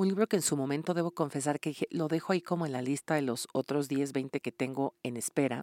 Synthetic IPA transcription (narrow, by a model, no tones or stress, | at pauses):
unliβɾokeːnsumo̞mẽ̞nt̪o̞ðe̞βo̞ko̞ɱfe̞s̬aɾkeixelo̞ðe̞xo̞aiko̞mo̞e̞nlalist̪aðe̞lo̞sot̪ɾo̞zðje̞zβe̞jnt̪e̞ke̞t̪e̞ŋɡo̞e̞ne̞spe̞ɾa